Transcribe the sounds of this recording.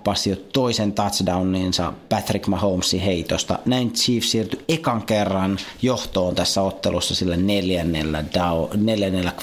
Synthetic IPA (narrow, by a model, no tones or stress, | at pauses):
pɑsiot̪oisent̪ɑt̪sdɑunːeːnsɑ̰pæt̪rikmɑhoumsːiheit̪ost̪ɑ̰næint͡ʃʰiːfsiːrt̪yekɑŋkerːɑnjoht̪oːnt̪æsːæot̪ːelusːɑsilːæneljænːelːæ̰dɑneljænːelːæk